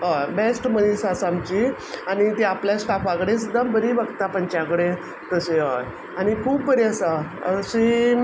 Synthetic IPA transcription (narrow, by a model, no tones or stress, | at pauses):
ɦabesʈmənisasamt͡ɕi | añit̪iapljasʈafʋaɡɽesəd̪əmbəɾiːbəɡt̪apəɲt͡ɕãkɽe | t̪əseɦə | aɽ̃ikʰuːbbəɾiəsaəɕi